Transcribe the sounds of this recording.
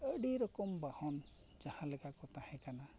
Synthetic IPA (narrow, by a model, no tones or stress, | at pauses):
əɽiɾɔkɔmbahɔn | d͡ʒahãlɛkakɔt̪ahɛ̃kana